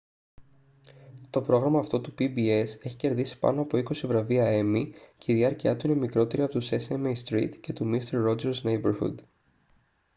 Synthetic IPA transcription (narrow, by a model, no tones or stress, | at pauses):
t̪o̞pɾo̞ɣɾɐmɐːft̪o̞t̪upibie̞se̞çi̥ce̞ɾðisi̥pɐ̰no̞ɐpo̞iko̞sivɾɐviɐe̞mice̞iðiɐɾciɐt̪uine̞mikɾo̞t̪e̞ɾiɐpo̞t̪use̞semejst̪ɾḭt̪ce̞t̪umist̪eɾːo̞d͡ʒeɾznejbeɾxṵd̪